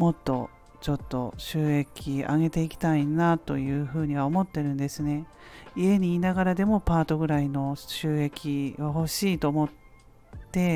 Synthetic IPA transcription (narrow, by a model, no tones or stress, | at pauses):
mo̞t̪ːo̞̰ | t͡ɕo̞t̪ːo̞̰ɕɨːe̞kʲia̰ɡe̞t̪e̞ikʲi̥t̪ainat̪o̞jɯ̟ːɸɯ̟ːɲ̟iβ̞ao̞mo̞t̪ːe̞ɾɯ̟̃nd̪e̞sɨne̞ | ie̞ɲ̟iːnaɡaɾad̪e̞mo̞paːt̪o̞ɡɯ̟ɾaino̞ɕɨːe̞kʲiβaho̞ɕiːt̪o̞ːmo̞t̪ː | e̞